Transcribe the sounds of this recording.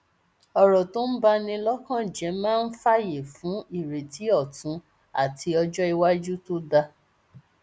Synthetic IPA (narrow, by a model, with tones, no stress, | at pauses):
ɔ˨ɾɔ˨to˦n̩˦ba˧nĩ˧lɔ˦kã˦˨d͡ʒɛ˨˦mãː˦n̩˦fa˦je˨fũ˨˦i˦˨ɾe˨ti˨˦ɔ˦˨tũ˨˦ | a̰˦˨tʰi˧˦ɔ˧d͡ʒɔ˦i˧wa˦d͡ʒu˦to˦da˧